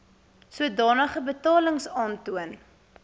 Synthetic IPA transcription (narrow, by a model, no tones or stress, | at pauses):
suədɑːnəχəbətɑːləŋsɑːntuən